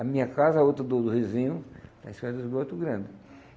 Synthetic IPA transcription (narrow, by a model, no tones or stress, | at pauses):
ɐmĩɲɐkazɐot̪ɾɐd̪ʊd̪ʊhizĩɲʊd̪ɐispɛɾɐd̪ʊzɡɾot̪ɾʊɡɾɐ̃nd̪ɪ